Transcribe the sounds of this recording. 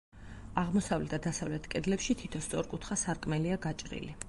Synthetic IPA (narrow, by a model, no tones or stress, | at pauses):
aʁmɔsavlɛt̪d̪asavlɛt̪ʰkʼɛd̪lɛpʃit̪ʰit̪ʰɔst̪sʼɔɾkʼut̪ʰχasaɾkʼmɛliaɡat͡ʃʼɾḭli